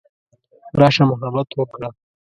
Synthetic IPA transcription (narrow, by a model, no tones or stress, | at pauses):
ɾɑʃamʊɦabat̪wəkɽa